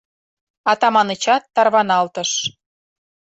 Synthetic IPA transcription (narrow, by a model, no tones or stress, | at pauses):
ɑt̪ɑmɑnət͡ɕɑt̪ːɑrβɑnɑlt̪əʃ